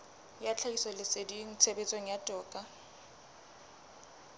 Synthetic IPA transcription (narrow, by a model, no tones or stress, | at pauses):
jat͡ɬʰaisɔlɪsedin̩t͡sʰebet͡sʼeŋ̩jatʼɔːkʼa